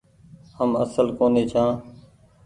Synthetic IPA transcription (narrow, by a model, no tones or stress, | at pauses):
həmə̰səlkoːneːt͡ʃʰãː